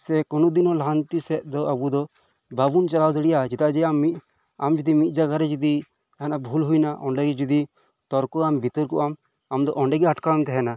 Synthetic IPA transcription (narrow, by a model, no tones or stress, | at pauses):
sɛkɔnud̪inɔlaɦant̪isɛt̪̚d̪ɔʔabud̪ɔ | babunt͡ʃalawd̪ɛɽɛjʔad͡ʒit̪ad͡ʒɛamːit̪̚ | amd͡ʒud̪imit̪̚ˀd͡ʒaɡaɾɛd͡ʒud̪i | ɦanabʱulɦujnaʔɔɳɖɛɡɛd͡ʒud̪i | t̪ɔɾkɔambʱit̪əɾkɔʔam | amd̪ɔʔɔɳɖɛɡɛaʈkant̪ɛɦɛna